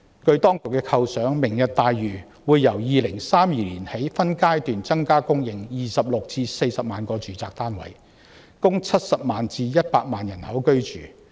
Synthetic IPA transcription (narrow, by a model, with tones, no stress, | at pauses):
kɵ˧ɥt̪ɔː˥ŋkʊ˨k̚ːɛː˧kʰɐ˧wsœː˨˥ŋmɪ˨˩ŋjɐ˨t̚t̪aː˨jɥyː˨˩ | wuː˨˧jːɐ˨˩wjiː˨˧lɪ˨˩ŋsaː˥mjiː˨˧liː˨˩nhe˨˥jfɐ˥nkaː˥jt̪yː˨nt͡sɐ˥ŋkaː˥kʊ˥ŋjɪ˨ŋjiː˨sɐ˨p̚lʊ˨k̚t͡siː˧se˧jsɐ˨p̚maː˨nkɔː˧t͡ʃyː˨˥t͡saː˧k̚t̪aː˥nwɐ̰˨˩j | kʊ˥ŋt͡sʰɐ˥t̚sɐ˨p̚maː˨nt͡siː˧jɐ˥t̚paː˧k̚maː˨njɐ˨˩nhɐ˨˥wkɵ˥ɥt͡ʃy̰ː˨˩